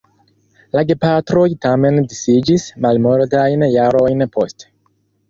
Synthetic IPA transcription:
laɡepatɾo̞jtame̞ndisid͡ʒismalmo̞ɾdajnjaɾo̞jnpo̞st

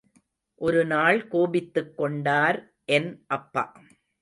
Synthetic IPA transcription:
ʔɔɾɯnaːɭkoːbɪt̪ːɯkːɔɳɖaːɾ | ʔɛnʔɐpːɐ̰

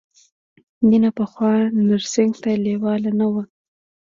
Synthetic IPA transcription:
ninapəxwɑnaɾsɪŋɡt̪alewɑlanawə

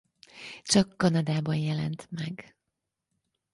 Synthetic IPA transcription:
t͡ʃɒkːɒnɒd̪aːbɒnjɛlɛ̰nt̪mɛɡ

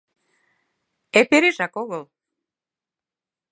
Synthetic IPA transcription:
epeɾeʒækoɣəl

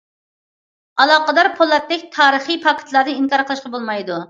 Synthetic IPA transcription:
ɑlˠɑːqəd̪ɑɾpʰolˠːɛt̪̚ːɛkʲt̪ʰɑːɾəχipʰɑkʲʰɪ̥t̪ʰlˠɑɾnɨiŋkɑɾqʰəlˠɨʃqɑbolˠmɑjd̪u

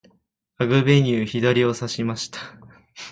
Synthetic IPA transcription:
aɡɯ̟be̞ɲ̟ɯːçid̪aɾʲio̞saɕimaɕi̥t̪ḁ

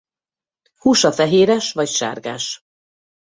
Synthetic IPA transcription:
huːʃɒfɛɦeːɾɛʃʋɒcʃa̰ːrɡaːʃ

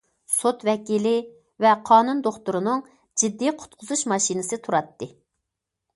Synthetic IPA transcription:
sot̪vɛkʲilɪ | vɛqʰɑːnund̪oχt̪uɾɨnɨŋ | d͡ʒid̪ːijqʰʊ̥t̪̚qʰʊzuʃmɑʃinɨsɨt̪ʰuɾɑt̪ːɨ

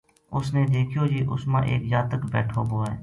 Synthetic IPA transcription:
ʊsneːd̪eːkʰijoːd͡ʒiːʔʊsmã̰ːʔḛːkzaːt̪əkbɛ̰ːʈʰo̰ːboːɛ̰ː

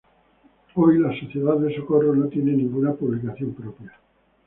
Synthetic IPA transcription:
ojlasoθje̞ðaððesokoronot̪jenenĩŋɡunapuβlikaθjo̞mpɾopja

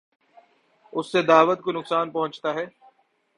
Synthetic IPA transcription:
ʊsːed̪aːʋət̪konʊksaːnpɐɦʊ̃nt͡ʃt̪aɦɛː

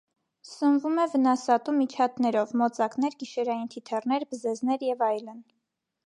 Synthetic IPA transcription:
sənvumɛvənɑsɑt̪umit͡ʃʰɑt̪nɛɾɔvmɔt͡sɑknɛɾɡiʃɛɾɑjint̪ʰit̪ʰɛrn̪ɛɾbəzɛznɛɾjɛvɑjlən

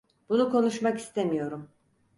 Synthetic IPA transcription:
b̥unukʰo̞nuʃmaki̥st̪ʰe̞mijo̞ɾum

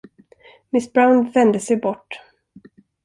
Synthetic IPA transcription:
mɪsbɾawnvɛnd̪əsɛjbɔʈː

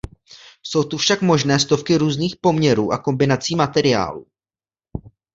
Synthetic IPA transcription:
so̞wt̪ufʃakmo̞ʒnɛːst̪o̞fkɪɾuːzniːxpo̞mɲɛɾuːʔako̞mbɪnat͡siːmat̪ɛɾɪa̰ːlṵː

